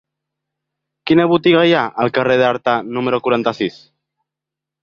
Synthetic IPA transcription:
kinəβut̪iɣajaʔəlˠkareðaɾt̪anuməɾokuɾant̪asis

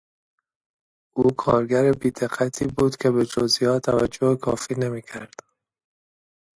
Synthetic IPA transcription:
ʔuːkʰɒːɾɡæɾebiːd̪eɢæt̪ʰiːbuːd̪cʲʰe̞bed͡ʒozijɒːt̪ʰːævæd͡ʒːohekʰɒːfiːnemiːcʰæɾd̪̥

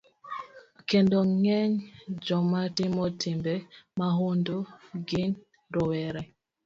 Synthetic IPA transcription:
kɛndɔŋɛɲd͡ʒɔmatimɔtʰimbɛmaɦondoɡin | dɔwɛɾɛ

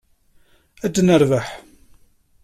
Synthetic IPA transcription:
æd̪ːnəɾvaħ

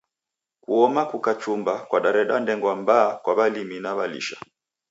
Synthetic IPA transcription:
kuɔmakukat͡ʃumbakwaɗaɾɛɗandɛŋɡwambaːkwaβaliminaβalḭʃa̰

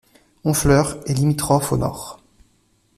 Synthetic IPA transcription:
ɔ̃flœʁelimit̪χɔfo̰nɔ̰ːʁ

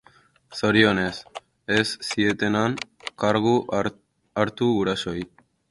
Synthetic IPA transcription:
so̞ɾio̞ne̞s | esːie̞t̪e̞nankaɾɣu | aɾt̪uuɾaso̞j

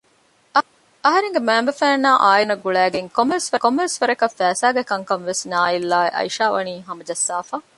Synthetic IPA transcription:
ɐɦɐɾeŋɡemæːmbɐfæːnːaːʔaːjinɐɡuɭæːɡeŋkomːɐʋesʋɐkomːɐʋesʋɐɾɐkɐfːæːsaːɡekɐŋkɐnʋesnaːilːaːeʔɐ̰iʃaːʋɐ̰niːɦɐmɐd͡ʒɐsːaːfaː

